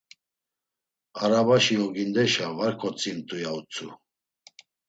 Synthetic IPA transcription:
aɾabaʃiɔɡind̪ɛʃavaɾkʰɔt͡sʼint̪ʼujaut͡sʰʼṵ

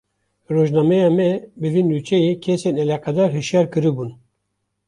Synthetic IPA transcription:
ɾoːʒnɑːmɛjɑːmɛbɨvindut͡ʃʰɛjekʰesenɛlaqɑd̪ɑɾɦɨʃjɑɾkɨɾɨbun

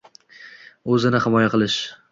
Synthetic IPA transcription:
ɵzɪnɪhɪmɒjaqɨlˠɪʃ

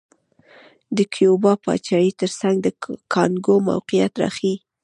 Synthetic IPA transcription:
d̪əkʰjobɑpɑ̰t͡ʃɑjit̪əɾsaŋɡd̪əkʰɑnɡoma̰wqijat̪ɾɑ̰xi

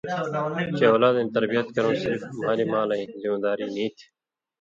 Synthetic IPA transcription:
t͡ʃeːoːlaːd̪ẽːt̪ɐɾbijət̪kəɾõːsɪɾfmaːliːmaːlãĩzɪmːd̪aːɾiːnĩːt̪ʰ

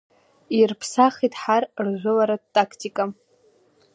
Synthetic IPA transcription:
irpʰsaχitʰʼħarrʒʷʊlaɾadtʼakʰtʲʼikʼa

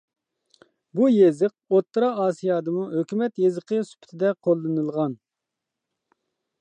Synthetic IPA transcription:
bujezɨq̚ot̪ːɾɑɑːsijɑːd̪ɨmuɦøkʲymɛt̪jezəqʰəsy̥pʰɪ̥t̪ʰɪd̪ɛqʰolˠːɨnɨlˠʁɑn

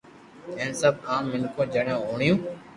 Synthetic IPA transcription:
ẽːnsəb̚aːmːɪnkʰõːd͡ʒeːɽẽːɦoːɳjũː

